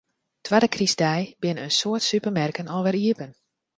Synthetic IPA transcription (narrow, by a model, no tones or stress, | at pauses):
tʰwadəkrisdɛjbɪnəənsoətsypərmɛrkənɔlˠʋɛɾiəpən